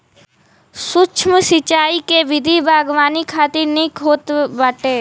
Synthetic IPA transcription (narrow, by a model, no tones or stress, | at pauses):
sʊt͡ʃʰməsɪt͡ʃaːikeʋɪd̪ʱibʱaːɡʋaːnikʰaːt̪ɪɾnikɦoːt̪baʈeː